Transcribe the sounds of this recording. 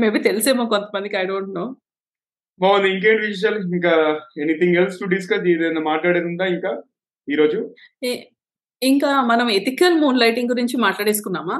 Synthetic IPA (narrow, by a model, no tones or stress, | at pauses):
meːbit̪e̞liseːmokont̪ɐ̥mɐnd̪ikiɐjɖoːɳʈnoː | ɦoːniŋk̬eːɳʈʋid͡ʒiʈ̬ɐliŋkaːenit̪iŋɡelsʈuɖis̬kɐd̪eːd̪eɐnːɐmaːʈlaːɽeɾund̪aːiŋkaː | iːɾo̞ːd͡ʒu | iŋkaːmɐnɐmet̪ikɐlmuːnlɐjʈiŋɡuɾiɲt͡ʃimaːʈlaːɽeːs̬u̥kunːaːmaː